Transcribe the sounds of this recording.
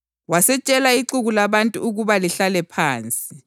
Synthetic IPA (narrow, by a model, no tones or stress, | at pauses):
wasɛt͡ʃʼɛlaiǁuɣulaβantʼuuɣuβaliɬalɛpʰaːnt͡sʼi